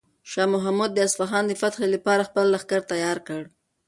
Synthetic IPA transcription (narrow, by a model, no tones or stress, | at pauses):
ʃɑmʊɦamud̪̚ːəasfaxɑnd̪əfat̪xelapɑɾaxpəlːaxkaɾt̪ajɑɾkəɽ